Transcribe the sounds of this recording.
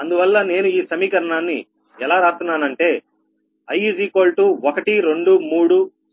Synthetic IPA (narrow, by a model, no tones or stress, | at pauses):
ɐnd̪uʋɐlːɐne̞ːnuiːsɐmiːkɐɾɐɳaːnːḭ | ɛlaːɾaːt̪unːaːnɐɳʈe̞ː | ɐjid͡ʒiːko̞ːlʈuɔkɐʈiɾe̞ɳɖumuːɽu